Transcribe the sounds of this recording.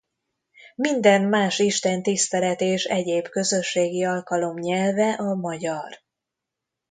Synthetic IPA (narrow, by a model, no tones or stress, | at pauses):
mind̪ɛnmaːʃiʃt̪ɛnt̪ist̪ɛlɛt̪eːʃɛɟeːbkø̞zø̞ʃːeːɡiɒlkɒlo̞mɲɛlvɛʔɒmɒɟɒr